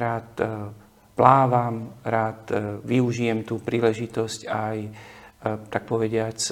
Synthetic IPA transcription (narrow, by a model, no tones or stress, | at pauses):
ɾaːt̪ | plaːʋamɾaːt̪ʋiuʒijɛmt̪uːpɾiːlɛʒit̪ɔscaj | t̪ak̚pɔʋɛɟɪat͡s